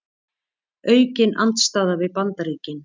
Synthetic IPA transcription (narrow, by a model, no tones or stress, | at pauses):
œːɥcɪnʔa̰nt̪st̪aːðavɪðpant̪aɾiːcɪn